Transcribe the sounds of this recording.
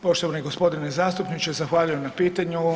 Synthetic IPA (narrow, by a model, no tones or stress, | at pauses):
po̞ʃt̪oʋaneiɡospo̞d̪inezaːst̪upnit͡ʃezaxʋaːʎujemnapiːt̪aɲu